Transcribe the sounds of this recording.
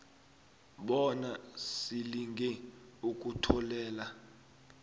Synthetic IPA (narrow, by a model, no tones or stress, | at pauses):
ɓɔnasiliŋɡʱɛuk̬ʼutʰɔlɛːla